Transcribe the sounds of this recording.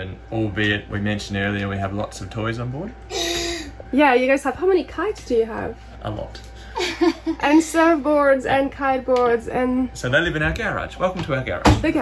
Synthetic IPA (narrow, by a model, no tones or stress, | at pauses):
ɨ̃nɔlˠbɪd̚wḭmɛ̃nʃɨ̃n̩dɜ˞lˠiɨ̃nwiɨvlɔ̰tsʌv̥tʰɔɪzn̩bɔɹd̥̚ | jæjɨɡoʊz̥tʰlaɪphaʊmɛnikʰaɪtsd̥ɨjɨə̰v̥ | ʔə̰lɔ̰t | ʔɨ̃nsɜ˞vbɔɹdzɨ̃nkʰaɪd̚bɔɹdzɨ̃nsoʊðeɪlɪvɨ̃ñaʊəɡæɹɪ̰̥d͡ʒwɛlˠkəm̩tʰəaʊəɡæ̰ɹɪ̰̥d͡ʒ̥oɡ